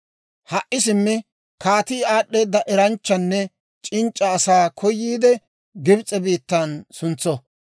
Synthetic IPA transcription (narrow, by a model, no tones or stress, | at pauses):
hɐʔɪsɪmːɪ | kaːt̪iːaːɗːe̞ːd̪ːɐʔɛɾɐnt͡ʃːɐnːɛ | t͡ʃʼɪnt͡ʃʼːɐːsaːkʰɔjːiːd̪ɛ | ɡɪbt͡sʼɛbiːt̪ːɐnsʊnt͡sːɔ